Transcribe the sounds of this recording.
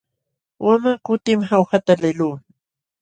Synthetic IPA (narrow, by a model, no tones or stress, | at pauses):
wamakʊt̪ɪmhawhat̪alɪluː